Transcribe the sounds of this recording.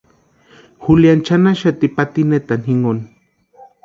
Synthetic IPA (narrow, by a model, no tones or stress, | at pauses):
xuljant͡ʃanaʃat̪ipat̪inet̪anhiŋon